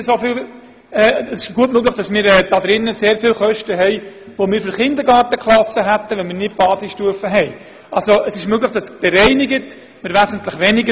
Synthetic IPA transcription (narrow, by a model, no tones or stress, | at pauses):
sofɪl | ɛːəsɪʃɡ̥uətmøɡləχd̥ɑsmɪːɾɛːdɑd̪ɾɪnːəseːɾfɪːlχœʃtəɦɛɪʋomɪːɾfyɾχɪnd̪əɾɡɑːɾtəkχlˠɑsəɦæt̪ːəʋɛnmɪːɾnɪt̚b̥ɑːsɪsʃtuəfəɦɛɪ | ɑlsoʔəsɪʃmøɡləχd̥ɑsb̥ɛɾɛɪnɪɡət | mɪːɾʋæzəntləχʋɛnɪɡə